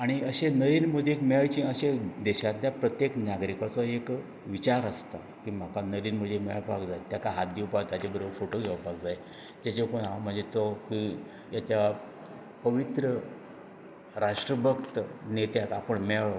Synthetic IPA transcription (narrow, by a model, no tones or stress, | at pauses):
aɽ̃iəɕenəɾiːnməd̪ʱekmɛjt͡ɕĩəɕed̪ɛɕat̪ljapɾət̪jeknaɡɾikat͡sɔek | ʋit͡ɕaɾəst̪a | kiːm̤akanəɾiːnməd̪ʱːemɛpakd͡zajet̪jakaɦad̪jiwpajt̪jat͡ɕebəɾəbəɾfoʈoɡʱeʋapaɡd͡zaje | d͡ʑat͡ɕekoɳãwm̤əɳd͡zet̪ɔki | jat͡ɕja | pəʋit̪ɾə | ɾaʂʈɾəbʱəkt̪ənet̪jakapəɳmɛɭ